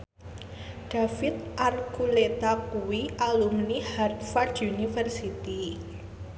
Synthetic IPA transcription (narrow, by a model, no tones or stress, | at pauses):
ɖ̥a̤fɪt̪ʔarkulet̪akuwiʔalumnihart̪fardunifərsit̪i